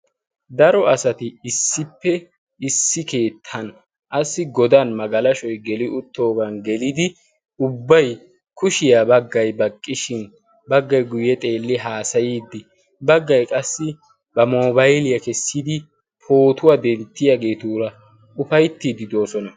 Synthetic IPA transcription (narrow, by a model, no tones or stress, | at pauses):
d̪ɐɾɔɐsɐt̪ɪːsːɪpːɛ | ɪsːɪke̞ːt̪ʰːɐn | ʔɐsːɪɡɔd̪anmɐɡɐlɐʃɔjɡɛlɪʊt̪ːo̞ːɡɐnɡɛlɪd̪ɪ | ʊbːɐj | kʰʊʃɪjabɐɡːɐjbɐkʼːɪʃɪn | bɐɡːɐjɡʊjɛt̪ʼe̞ːlːɪɦaːsɐjiːd̪ːɪ | bɐɡːɐjkʼɐsːɪ | b̥ɐmoːbɐjlɪjɐkɛsːɪd̪ɪ | pʰo̞ːt̪ʊwad̪ɛnt̪ːɪjaɡe̞ːt̪uɾɐ | ʊfɐjt̪ːiːd̪ɪd̪o̞ːsɔnɐ